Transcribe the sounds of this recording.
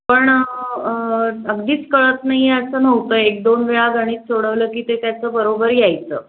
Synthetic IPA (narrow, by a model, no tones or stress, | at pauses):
pəɳ | əɡd̪iːt͡skəɭət̪naɦieəsənəʋt̪əːek̚d̪onʋeɭaɡəɽ̃iːt͡ssoɽəʋləːkiːt̪et̪jat͡səːbəɾobəɾjajt͡sə̰ː